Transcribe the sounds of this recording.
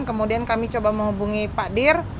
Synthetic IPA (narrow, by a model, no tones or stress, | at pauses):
nkəmudiankamit͡ʃobaməŋɦubuŋipadɪr